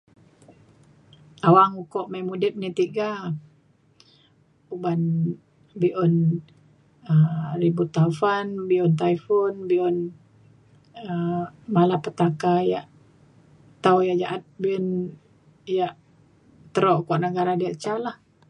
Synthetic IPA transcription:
awaŋukɔʔmajmudɛp̚nit̪iɡa | uban | biʔɔn | əribut̪afanbiʔɔnt̪aifɔnbiʔɔn | əmalapət̪akajaʔ | t̪awjaʔd͡ʒaʔat̪̚biɔn | jaʔ | t̪əɾoʔkɔʔnəɡaɾadiaʔt͡ʃalah

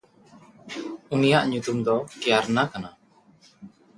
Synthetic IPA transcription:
unijaʔɲut̪umd̪ɔkɛjaɾnakana

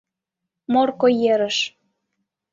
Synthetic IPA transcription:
morkojeɾə̆ʃ

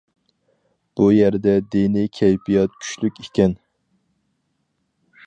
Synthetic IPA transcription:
b̥ujæɾd̪ɛd̪enikʲʰɛjpʰijɑt̪̚kʲʰy̥ʃlykʲekʲɛn

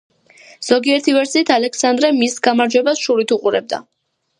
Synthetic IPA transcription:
z̥ɔɡiɛɾt̪ʰivɛɾsiːt̪ʰalɛksand̪ɾɛmisɡamaɾd͡ʒwɛbasʃuɾit̪ʰuqʼuɾɛ̰b̚d̪a̰

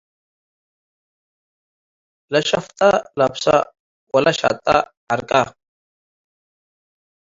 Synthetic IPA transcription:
lɐʃɐft̪ʼalɐbsa̰ | wɐlɐʃa̰t̪ʼa̰ | ɐɾkʼa

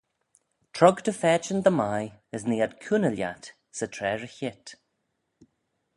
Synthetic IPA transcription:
tʰɹɔɡd̪əfɛːt͡ʃənd̪əmajəsniːad̪kʰunəlja̰t̪ | sətʰɹɛːɹəçɪt̪

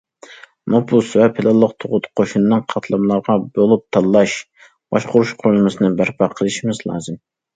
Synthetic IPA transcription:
mopʰusvɛpʰɪlˠɑlˠːəqt̪ʰoʁʊt̪qʰoʃunɨnɨŋqʰɑt̪ʰlˠɑmlˠɑɾʁɑbolˠup̚t̪ʰɑlˠːɑʃ | b̥ɑʃqʊɾuʃqʰoɾlˠɨmɨsɨnɨbæɾpʰɑqʰəlˠɨʃimɨzlˠɑ̰ːzɨm

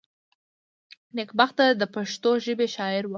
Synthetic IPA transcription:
nɪkbaxt̪ad̪əpaʂt̪oʒəbeʃɑɪɾwə

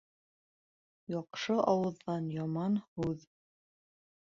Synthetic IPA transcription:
jɑqʃɤʔɑwɤ̆ðːɑnjɑmɑnhʉð

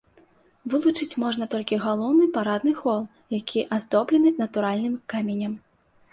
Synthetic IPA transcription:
vɨlˠut͡ʂɨt͡sʲmɔʐnɐt̪ɔlʲkʲiɣalˠɔwnɨpaɾad̪nɨxɔlˠ | jakʲʰiʔazd̪ɔblʲɛnɨnɐt̪uɾalʲnɨmkamʲenʲɐm

